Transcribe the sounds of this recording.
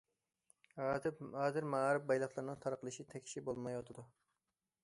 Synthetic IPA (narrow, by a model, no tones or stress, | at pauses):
hɑːzɪɾmæɾɪp̚bɑjlˠɑχlˠɨɾnɨŋt̪ʰɑɾqʰəlˠɨʃit̪ʰɛkʲʰʃibolˠmɑjot̪ʰɨd̪u